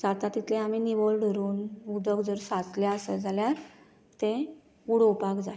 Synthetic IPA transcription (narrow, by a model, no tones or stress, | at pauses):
d͡zat̪at̪it̪ʰlẽaminiʋolɖəɾuːnud̪əkd͡zəɾsat͡sljaəsəd͡zaljaɾ | t̪ẽ | uɽopakd͡zaj